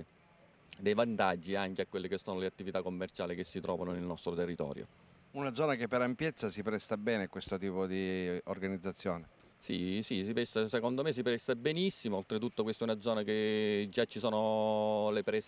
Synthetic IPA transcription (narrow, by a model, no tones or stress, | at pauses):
d̪ejvant̪ad͡ʒːiaŋkeakːwelːekesːɔːnoleat̪ːivit̪akːomːert͡ʃaːlik̟esːit̪ɾʔɔ̰ːvanonilnɔst̪ɾot̪erːit̪ɔ̰ːɾjo̰ | unad̪zːɔːnakepːeɾampjɛt̪sːasipɾɛst̪abɛːnekwest̪ot̪iːpod̪iorɡanid̪zːat̪sːjoːne | sḭsisipɛst̪asekond̪omes̬ːipɾɛst̪abenisːimoolt̪ɾet̪ut̪ːokwest̪ɛunad̪zːɔːnaked͡ʒːat͡ʃːisɔːnolepɾɛs